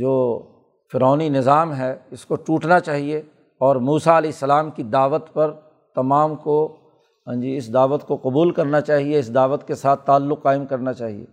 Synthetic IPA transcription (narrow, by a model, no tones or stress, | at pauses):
d͡ʒoː | fɪɾaːninɪzaːmɦɛɪskoʈuːʈnat͡ʃaːɦie | ɔːɾmuːsaɐlɛːɪsːɐlaːmkid̪aːʋət̪pɐɾ | t̪ɐmaːmkõ | d͡ʒiɪsd̪aːʋət̪koqʊbuːlkɐɾnat͡ʃaːɦieɪsd̪aːʋət̪kesaːt̪ʰːaːlːʊqːaːɪmkɐɾnat͡ʃaːɦiḛː